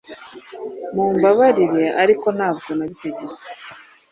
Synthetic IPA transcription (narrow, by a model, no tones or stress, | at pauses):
muːmbaβaɾiɾe̞ʔaɾiko̞n̥haːbɡo̞naβite̞ɟe̞t͡se̥